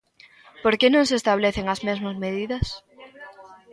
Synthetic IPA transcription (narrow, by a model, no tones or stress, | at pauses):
poɾkenõŋsest̪aβ̞leθeŋɐzmezmazmeðiðɐs